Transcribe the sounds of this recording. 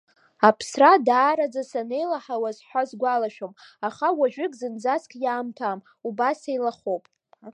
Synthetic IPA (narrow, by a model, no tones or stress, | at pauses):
apʰsradaːɾad͡zasane̞jlaħawazħʷazɡʷalaʃᶣomaχawaʒᶣʏkʼzɨnd͡zaskʰʼjaːmtʰam | ubasejlaχopʼ